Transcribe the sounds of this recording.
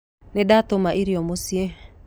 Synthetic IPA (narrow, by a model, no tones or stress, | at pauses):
nedatomaʔiɾiɔmosie